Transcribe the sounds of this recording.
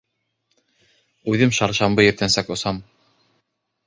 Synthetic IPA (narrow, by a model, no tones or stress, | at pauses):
ʉðɘmʃɑɾʃɑmbɤjɘ̆p̚t̪ænsɑkŏsɑm